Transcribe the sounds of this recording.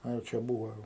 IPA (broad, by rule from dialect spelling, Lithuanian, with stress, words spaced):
ˈɐ jɛʊ ˈt͡ʃʲɛ ˈbuːʋoː ˈjɛʊ